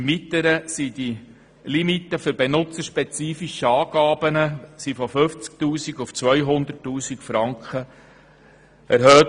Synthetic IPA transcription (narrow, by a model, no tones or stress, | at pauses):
mit̪əɾəsidi | limitːəfʏɾbenʊt͡səɾʃpɛt͡siːfiʃəɑːɡ̥ɑːbənəsifɔfʏft͡sk̚tuːsiɡʊft͡sʋœjɦʊnd̪ətːuːsikfɾɑŋkχə | æɾɦœːt